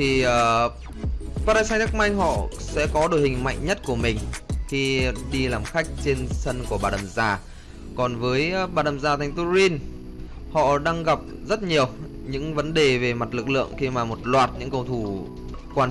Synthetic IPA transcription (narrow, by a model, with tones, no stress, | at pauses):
t̪ʰi˨˩əː˨˩ | paː˧ɾa˧saː˧t̪a˦˥k̚ma˧jŋ̟ɦɔ̰˧˨sɛ̰˧˥kɔ˨˦ɗo˧˩jhï˨˩ŋ̟ma̰˧˨jŋ̟ɲə˦˥t̚ku˧˩əmï˨˩ŋ̟xi˧ɗi˧laː˨˩mxa˦˥jk̟̚t͡ɕe˧nsə˧nku˧˩əɓaː˨˩ɗə˨˩mzaː˧˩ | kɔ˨˩nvəː˨˦jɓaː˨˩ɗə˨˩mzaː˨˩t̪ʰa˨˩ŋ̟t̪u˧˦zi˧n | hɔ̰˧˨ɗaː˧ŋɣa˨˩p̚zə˦˥t̚ɲi˨˩əw | ɲɨ̰˧˥ŋvə˨˦nɗe˨˩ve˨˩ma˨˩t̚lɨ˨˩k̚lɨ̰˧˨əŋxi˧maː˨˩mo˨˩t̚lwaː˨˩t̚ɲɨ̰˧˥ŋkə˧wt̪ʰu˧˩ | kwaː˧n